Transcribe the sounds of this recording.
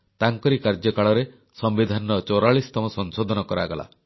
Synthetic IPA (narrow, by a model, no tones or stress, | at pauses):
t̪aŋkɔɾikaɾd͡ʒjɔkaɭɔɾe | sɔmbid̪ʱanɔt͡ʃoɾaɭist̪ɔmɔsɔŋsod̪ʱɔnɔkɔɾa̰ɡɔla̰